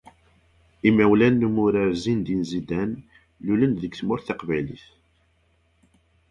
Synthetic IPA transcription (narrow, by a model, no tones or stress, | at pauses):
imːæwlænːumʊɾaɾzind̪inzid̪æn | lulənðəkθmʊɾθɑqvæjliθ